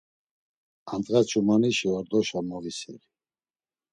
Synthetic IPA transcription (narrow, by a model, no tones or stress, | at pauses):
ant̪ʼɣat͡ʃʰumaniʃiwaɾd̪ɔʃamavisḭʁi